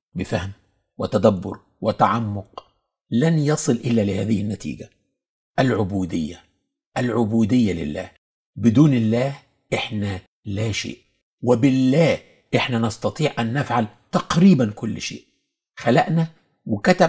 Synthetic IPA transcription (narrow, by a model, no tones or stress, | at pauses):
bɪfæhm | wɪt̪æd̪æbːʊ̰ɾ | wɪt̪aʕamːʊq | lænjɑsˤɨlʔɪlːælɪhæːðɪhɪnːæt̪ḭːɡæ | ʔælʕʊbuːd̪ɪjːæ | ʔælʕʊbuːd̪ɪjːælɪ̰lːæ̰ːh | bɪd̪uːnɪlːæːh | ʔɪħnæ | læʃḛːʔ | wɪbɪlːæːh | ʔɪħnænɑst̪ɑt̪ˤiːʕʔænːæfʕal | t̪ɑqɾiːbænkʊlːʃḛːʔ | xælæʔnæ | wɪkæt̪æ